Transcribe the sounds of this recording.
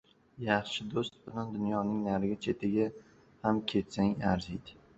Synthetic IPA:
jɑχʃɪd̪ost̪̚bɪland̪ʊnjɒnɪŋnaɾɪɡʲat͡ʃʰe̞t̪ʰɪɡʲa | hamkʲʰe̞t̪saŋaɾzijd̪ɪ

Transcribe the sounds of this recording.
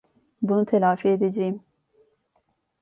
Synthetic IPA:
bunut̪ʰelʲaːfied̪ed͡ʒejim

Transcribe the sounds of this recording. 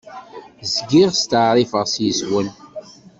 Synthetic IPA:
zɡiʁst̪əʕɾˤifəʁsjəswən

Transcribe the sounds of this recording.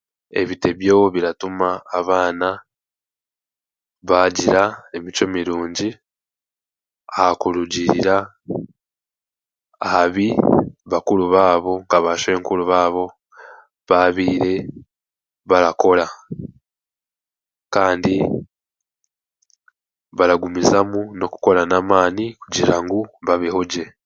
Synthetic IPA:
e̞̰βite̞βjoːwoβiɾatumaːβaːna | βaːɟiɾae̞mit͡ʃomiɾuːɲɟi | ahakuluɟiɾiɾa | ahaβiβakuluβaːβo̞ŋɡaβaʃe̞ːŋkuluβaːβo̞ | βaβiːɾe̞ | βaɾako̞la | kaːndi | βaɾaɡumizamuno̞ku̥ko̞ɾanaːmaːnikuɟiɾaŋɡuβaβihoɟe̞

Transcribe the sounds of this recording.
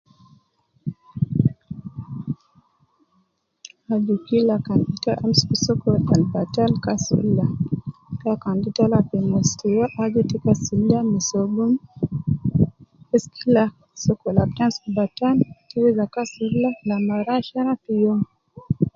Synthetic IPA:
ad͡ʒukilakanditaʔam̩skusɔkɔalbatalkasṵlakakanditalapɛmɔstijaʔad͡ʒitikasiliamisɔɡum | ɛskʰila | sɔkɔlap̚tansubataltuwizakasulalamaɾaʃaɾafijɔŋ

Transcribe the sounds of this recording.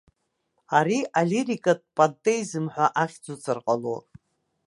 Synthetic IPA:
aɾiʔalirikʼat̚ʼpʼantʼejzɨmħᶣʷaʔaχʲd͡zut͡sʰʼɨrqʼalo̰

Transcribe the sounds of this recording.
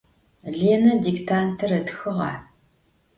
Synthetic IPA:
ɮeːnɐdiktʰaːntʰɐɾɐtxɨʁɑ̰ː

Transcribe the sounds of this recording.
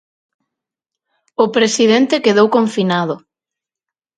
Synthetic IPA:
ʊpɾesiðent̪ekeðowkoɱfinaðʊ

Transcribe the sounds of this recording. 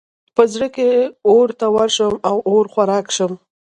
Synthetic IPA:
pəzɽəkeoɾt̪awaɾʃəmawoɾxwaɾɑkʃəm

